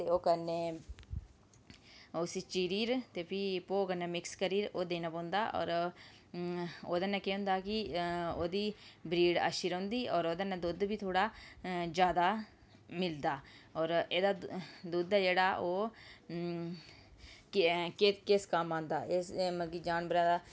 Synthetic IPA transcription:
t̪eːoːkənːeː | ʊsit͡ʃiːɾiːɾt̪eːpʰɪpoːkənːɛːmɪkskəɾiːɾoːd̪eːnaːpõːnd̪aːʔɔ̰ːɾ | oːd̪ɛːnãːkeɦʊ̃ːnd̪aːkɪoːd̪iːbɾiːɖa̰ːʃiɾõːnd̪iːʔɔːɾoːd̪ɛːnãːd̪ʊd̪biːt̪ʰoːɽaːd͡ʒjaːd̪aː | mɪld̪aːɔːɾeːd̪aːd̪uːd̪aːd͡ʒeːɽaːʔoː | kkkɪskəmãːnd̪aːesməɡiːd͡ʒaːnbəɾãːd̪aː

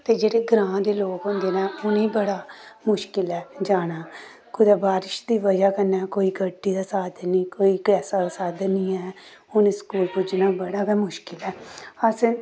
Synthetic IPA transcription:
t̪eːd͡ʒeːɽeːɡɾãːd̪eːloːkɦʊ̃nd̪eːnɛ̃ːʊnĩːbəɽaːmʊʃkɪlɛːd͡ʒaːɽ̃aː | kʊd̪aːbaːɾɪʃd̪iːʋəd͡ʒaːkənɛːkoːiːɡəɖːiːd̪aːsaːd̪nĩːkoːiːɡɛːsaːd̪aːsaːd̪nĩːɛː | ʊneskuːlpʊd͡ʒnaːbəɽaːkɛːmʊʃkɪlɛːəs

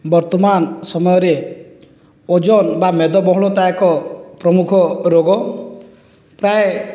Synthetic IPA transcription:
bɔɾt̪ɔmansɔmɔjɔɾe | od͡ʒɔnbamed̪ɔbɔɦɔɭɔt̪ajkɔpɾɔmukʰɔɾoɡɔ | pɾae

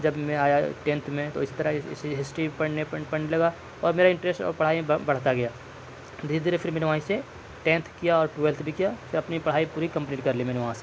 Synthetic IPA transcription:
d͡ʒɐbmẽaːjaʈẽːnt̪ʰmẽt̪oɪst̪ɐɾəɦɪsɦɪsʈɾipɐɽ̤neppɐɳelɐɡa | ɔːɾmeːɾaɪ̃ɳʈɾeːsʈɔ̰ːɾpɐɽ̤aːimẽbɐɽ̤t̪aɡɐjaː | d̪ʱiːɾd̪iːɾefʰɪɾmɛːneʋaɦãĩse | ʈẽːnt̪ʰkijaɔːɾʈwɛːlt̪ʰbʱikijafɪɾɐpnipɐɽ̤aːipuːɾikɐ̃mpniːʈkɐɾlimɛːneʋɐɦãse̥

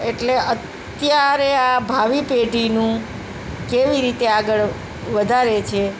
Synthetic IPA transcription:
eʈleət̪ | jaɾeabʱaʋipeɖʱinũ | keʋiɾit̪eaɡəɭ | ʋəd̪ʱaɾet͡ʃʰe

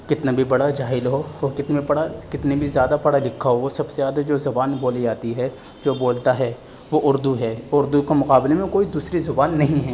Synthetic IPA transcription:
kɪt̪nabʱibɐɽad͡ʒaːɦɪlɦoɔːkɪt̪niɐɽakɪt̪nibʱizjaːd̪apɐɽalɪkʰːaɦoʋosɐbsezaːd̪ad͡ʒoːzɐbaːnboːlid͡ʒaːt̪iɦɛ | d͡ʒoːboːlt̪aɦɛ | ʋoʔʊɾd̪uɦɛːʊɾd̪ukemʊqaːblemẽkoːid̪uːsɾizʊbaːnːɐɦĩɦɛː

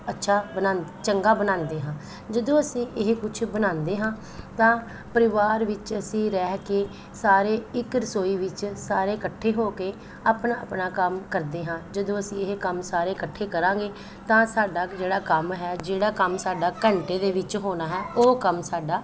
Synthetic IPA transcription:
ətːʃʰaːbənãːnd̪et͡ʃəŋɡaːbənãːnd̪eːɦãː | d͡ʒəd̪õːəsĩːʔɪɦkʊt͡ʃʰbənãːnd̪eːɦãː | t̪ãː | pəɾɪʋaːɾʋɪt͡ʃəsĩːɾɛːkeː | saːɾeːɪkɾəsoːiːʋɪt͡ʃsaːɾeːkəʈʰːeːɦoːkeː | aːpɳaːə̰pnaːkəmkəɾd̪eːɦãːd͡ʒəd̪õːəsĩːɪɦkəmsaːɾeːkəʈʰːeːkəɾãːŋɡeː | t̪ãːsaːɖaːd͡ʒeːɽaːkəmɦɛːd͡ʒeːɽaːkəmsaːɖaːkəɳʈeːd̪eːʋɪt͡ʃɦoːnaːɦɛːoːkəmsaːɖaː

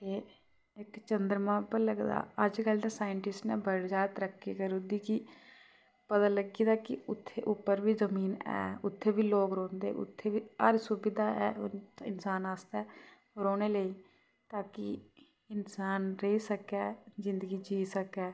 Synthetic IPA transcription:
t̪eː | ɪkt͡ʃənd̪əɾmãːpələɡd̪a̰ːəd͡ʒkəlneːsaːɪɳʈɪsʈnɛ̰ːbəɽd͡ʒaːt̪ɾəkʰːeːkəɾuːd̪iːkiː | pət̪aːləɡiːd̪aːkɪʊt̪ʰːeːʔʊpːəɾʋiːzəmiːnɛ̰ːʊt̪ʰːeːbiːloːkɾõːnd̪ḛːʔʊ̰t̪ʰːeːʋiːə̰ɾsuːbɪd̪aːɛ̰ːɪnsaːnaːst̪ɛː | ɾoːneːləiː | t̪aːkɪ | ɪnsaːnɾeisəkɛːzɪnd̪əɡiːd͡ʒiːsəkɛː

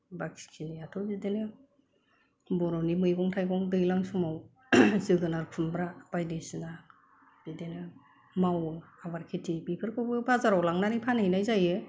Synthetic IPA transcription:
bakʰi̥kʰiniatʰɔbidenɯ | bɔɾɔnimɯjɡɔŋtʰajɡɔŋdɯjlaŋsɔmaw | zɯɡɯnaɾpʰunbɾab̥ajdesina | b̥idenɯ | mawɯabaɾkʰetʰibipʰɯɾkʰɔbɯbazaɾawlaŋnaɾipʰanɯjnajzajɯ

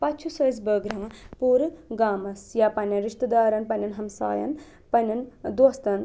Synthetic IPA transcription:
pɐt͡ʃʰusɐs̬bəːɡɾɐŋɐpuːɾɡaːmɐsjapɐnɐnɾiʂt̪ɐd̪aːɾɐnpɐnʲɐnɦɐmsa̰ːjɐ̰n | pɐnɐnd̪ost̪ɐn

